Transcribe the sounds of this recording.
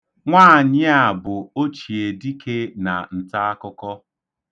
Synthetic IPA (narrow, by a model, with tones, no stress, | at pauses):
ŋʷaː˦˨ɲɪ˦a˨bʊ˨o˦t͡ʃi˨e˨di˦kʰe˦na˨n̩˨ta˦a˦kɔ˦kɔ˦